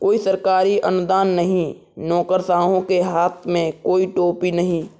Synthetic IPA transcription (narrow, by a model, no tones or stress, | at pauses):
koːisəɾkaːɾiʔɐ̰nʊd̪aːnːɐɦĩ | nɔːkəɾsaːɦõkeɦaːt̪ʰmẽkoːiʈoːpinɐɦĩː